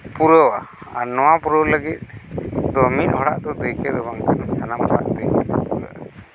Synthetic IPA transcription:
puɾɔwa̰aɾnɔwapuɾɔwləɡit̪̚d̪ɔminɦɔɽaʔd̪ɔd̪ujkɛd̪ɔbaŋkansanamɦɔɽa̰ʔd̪ujkɛd̪ɔpuɾɔwa̰

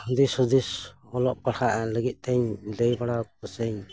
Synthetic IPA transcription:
hd̪ishɔd̪is | ɔlɔʔpaɽhaʔləɡit̪̚ˀt̪ɛɲləjbaɽakɔsɛɲ

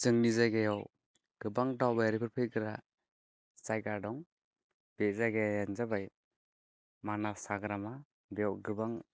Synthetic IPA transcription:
zɯŋnizaɡejɔw | ɡ̥ɯbaŋdawbaɾipʰɯɾpʰeɡɯɾa | sajɡaɾdɔŋ | b̥ezaɡejanzabaj | manasaɡɾama | bejɔwɡɯbaŋ

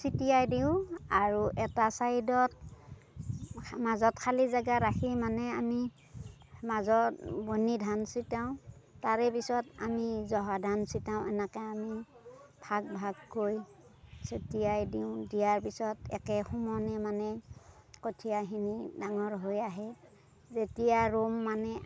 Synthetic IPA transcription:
sitijajdiʊ̃aɹuʔɛtasaidɔt̚ | mazɔtkʰalizaɡaɹakʰimanɛami | mazɔtbonidʱansitaʊ̃taɹɛpisɔta̰mizɔɦadʱansitaʊ̃ʔɛnɛkɛami | pʰaɡ̚bʱaɡkojsetijajdiʊ̃dijaɹpisɔtɛ̰kɛxɔmɔnɛmanɛ | kotʰijaɦinidaŋɔɹɦojaɦɛ | zetijaɹomːanɛ

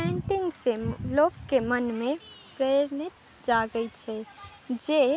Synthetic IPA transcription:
ɛɳʈiŋɡselokːemənmepɾeɾnit̪̚ | d͡ʒaɡəjt͡ʃʰɛ | d͡ʒe

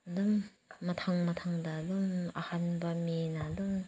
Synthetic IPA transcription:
dumː | ɐt̪ʰaŋmɐtʰaŋdaduma̰hanbɐmenadum

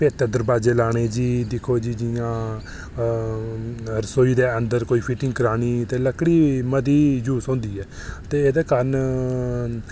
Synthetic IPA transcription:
peːt̪ed̪əɾbaːd͡ʒeːlaːɽ̃eːd͡ʒiːd̪ɪkʰoːd͡ʒiːd͡ʒɪjãː | əɾsoːiːd̪eːənd̪əɾkoːiːpʰɪʈɪ̃ŋɡkəɾaːɽiːt̪eːləkɽiːməd̪iːd͡ʒuːsõːnd̪iːɛː | t̪eːeːd̪eːkaːɾən

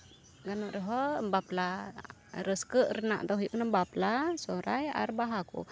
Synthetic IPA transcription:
ɡanuʔɾəɦɔmbapla | ɾəskəʔɾəna̰ʔt̪ɔɦjiʔkənəmbaplasɔɾaja̰ɾbaɦakṵ

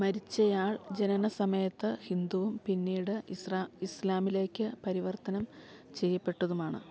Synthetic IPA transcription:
mɐɾit͡ɕːɐjaːɭd͡ʑe̞nɐnɐsɐmɐjɐt̪ːɨhind̪uʋumpinːiːɽɨislaːmile̞ːkʲːɨpɐɾiʋɐrt̪ɐnɐmt͡ɕe̞jːɐpːe̞ʈːɐðumaːɳɨ̰

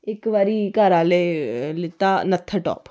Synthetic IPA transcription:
ɪkʋaːɾiːkaːɾaːleːlɪt̪ːaːnət̪ʰːəʈɔ̰ːp

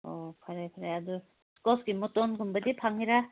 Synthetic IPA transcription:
opʰaɾajpʰaɾajadu | skɔsɡimɔtonɡumbɐdipʰaŋiɾa

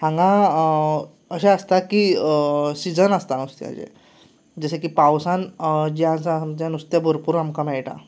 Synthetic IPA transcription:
hãŋɡã | əɕãəst̪aki | sid͡zənəst̪anust̪ja̰d͡ʑḛ̃ | d͡zəɕekiːpawsãnd͡ʑiãt͡samt̪jãnust̪jabʱoɾpuɾamkamɛɭʈa̰

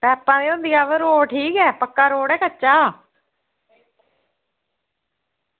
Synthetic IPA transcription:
pɛːpːãːd̪eːõnd̪iːaːʋəɾoːɽʈʰiːkɛːpəkːaːɾoːɽɛːkət͡ʃːaː

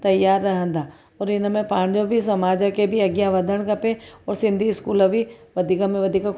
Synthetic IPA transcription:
t̪ɐjːaːɾːɐɦə̃nd̪aː | ɔːɾɪnmẽpaːɽ̃d͡ʒobʱis̬ɐmaːd͡ʒəkebʱiɐɡjaʋɐd̪ʱəɽ̃kɐpẽɔːɾsɪ̃nd̪ʱiɪskuːlobʱiʋɐd̪ʱikamẽʋɐd̪ʱika

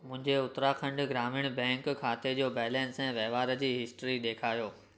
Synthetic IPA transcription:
mʊ̃ɦɪ̃ɲd͡ʑeʊt̪ɾaxɐ̃ɳɖɡɾaːmɪɽ̃bɛ̃ːŋkkʰaːt̪ed͡ʑoːbɛːlɛ̃ːnsɛ̃ʋɛːʋaːɾə̆d͡ʑiːɦɪsʈɾiɗeːkʰaːjoː

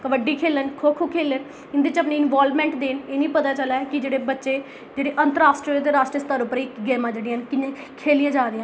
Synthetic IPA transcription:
kəʋəɖiːkʰeːlənkʰoːkʰoːkʰeːlən | ɪnd̪eːt͡ʃəpniːɪnʋaːlmɛ̃ːɳʈd̪eːneːnĩːpət̪aːt͡ʃəlaːkɪd͡ʒeːɽeːbətːʃeː | d͡ʒeːɽeːʔənt̪əɾaːsʈɾot̪eːɾaːsʈɾəst̪aːɾʊpːəɾiːkɡɛːmãːd͡ʒeːɽɪ̃nkɪnẽː | kʰeːlɪjãːd͡ʒaːd̪ɪjãː

